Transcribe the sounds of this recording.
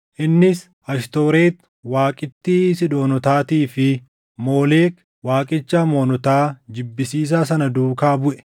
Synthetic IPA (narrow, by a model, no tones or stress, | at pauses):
ʔɪnːɪs | ɐʃt̪o̞ːɾe̞ːt̪ | waːkʼɪt̪ːiːsɪd̪o̞ːnɔt̪aːt̪iːfɪ | mo̞ːle̞ːk | waːkʼɪt͡ʃːaːmo̞ːnɔt̪aːd͡ʒɪbːɪsiːs̬aːs̬ɐnɐd̪uːkaːbʊʔɛ̥